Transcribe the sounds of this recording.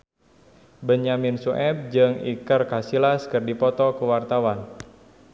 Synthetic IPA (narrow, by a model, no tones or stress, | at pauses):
bəɲaminsuʔɛp̚d͡ʒɨŋḭkərkasilaskərdipɔt̪ɔkuwart̪awan